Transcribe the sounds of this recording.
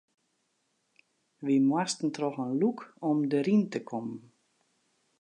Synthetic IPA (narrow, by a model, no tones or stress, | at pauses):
ʋimwastən̩trɔxənlukɔmdəɾintəkʰɔmən